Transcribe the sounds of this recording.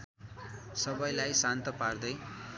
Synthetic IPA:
sʌbʌjlajsant̪ʌpard̪ʌj

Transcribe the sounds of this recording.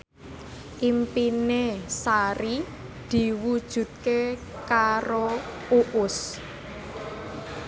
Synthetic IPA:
ʔimpinesaɾi | d̪̥i̤wud̥ʒ̥ṳt̪̚ke | kaɾo | uʔʊs

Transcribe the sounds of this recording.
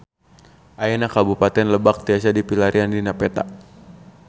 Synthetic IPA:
ʔaɛnakabupat̪ɛnləbak̚t̪iasadipilaɾʔiandinapɛt̪a̰ʔ

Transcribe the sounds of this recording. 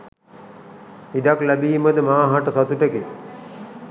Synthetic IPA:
iɖaklæbiːməd̪əmaːɦaʈəsat̪uʈəke

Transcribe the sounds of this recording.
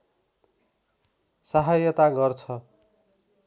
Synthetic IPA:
saɦajʌt̪aɡʌrt͡sʰʌ

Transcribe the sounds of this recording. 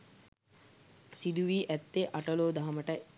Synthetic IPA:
sid̪uʋiːʔæt̪ːeʔaʈəloːd̪aɦɐməʈə

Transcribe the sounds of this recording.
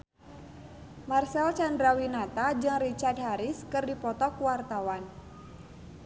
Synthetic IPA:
marsɛlt͡ʃandɾawinat̪ad͡ʒɨŋrit͡ʃard̪̚ɦaɾɪskɨrdipɔt̪ɔkuwart̪awan

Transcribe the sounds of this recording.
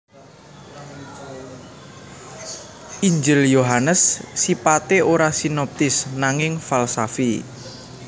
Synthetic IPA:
ʔiɲd͡ʒɪljoɦanəsːipat̪eoɾasinɔp̚t̪ɪsnaŋɪŋfalsafi

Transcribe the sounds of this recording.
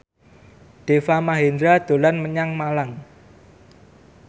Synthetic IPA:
ɖ̥efamaɦend̪ɾad̪̥o̤lanməɲaŋmalaŋ

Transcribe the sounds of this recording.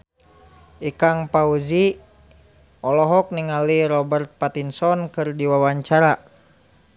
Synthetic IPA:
ʔikaŋpauzi | ɔlɔɦɔk̚niŋaliɾɔbərt̪̚pat̪insɔnkɨrdiwawaɲt͡ʃaɾa

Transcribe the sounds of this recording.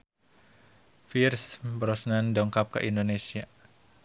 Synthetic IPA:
firsbɾɔsnandɔŋkap̚kə̰ʔindonesia

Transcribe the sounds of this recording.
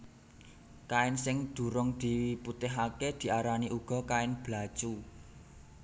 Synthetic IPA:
kaɪnsɪŋd̪̥ṳɾʊŋd̪̥i̤wiput̪ɛɦaked̪̥i̤aɾaniʔuɡ̥ɔ̤kaɪnb̥lat͡ʃu

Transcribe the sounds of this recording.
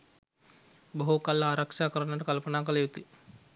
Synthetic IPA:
boɦukalːəaːɾakʂaːkəɾənəʈəkalpənaːkəlɐjut̪i

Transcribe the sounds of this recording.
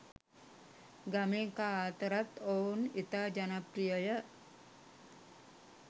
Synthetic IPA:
ɡamekat̪əɾat̪ownit̪ad͡ʒanapɾijəjəʔ

